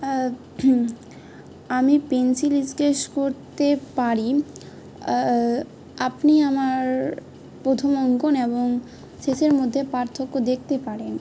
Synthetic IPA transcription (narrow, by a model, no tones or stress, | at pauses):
amipensilid͡ʑɡeʃkoɾt̪epaɾi | apniamaɾ | pɾot̪ʰomɔŋɡoneboŋ | ʃeʃeɾmod̪ʱːepaɾt̪ʰːokːod̪ek̚ʰt̪epaɾen